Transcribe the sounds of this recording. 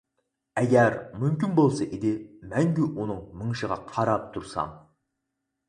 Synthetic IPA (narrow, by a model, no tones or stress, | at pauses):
æɡʲæɾmʏmkʲɪnbolˠsɑʔed̪ɪmæŋɡʲewonɨɴməɴʃəʁɑqʰɑɾɑp̚t̪ʰʊɾsɑ̰m